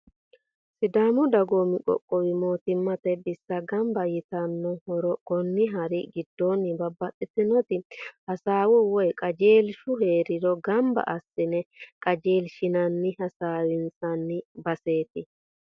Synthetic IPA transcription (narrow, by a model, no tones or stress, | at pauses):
sɪd̪aːmʊd̪ɐɡoːmɪkʼɔ̰kʼːɔwɪmo̞ːt̪ɪmːɐt̪ɛbɪsːɐɡɐmbɐjɪt̪ɐnːɔhɔɾɔkɔnːɪɦɐɾɪɡɪd̪ːoːnːɪbɐbːɐtʼːɪt̪ɪnɔt̪ɪhɐsaːwɔwɔjkʼɐd͡ʒeːlʃʊɦeːɾɪdɔɡɐmbɐ̰ʔɐsːɪnɛkʼɐd͡ʒe̞ːlʃɪnɐnːɪhɐsaːwɪnt͡sʼɐnːɪbɐse̞ːt̪ɪ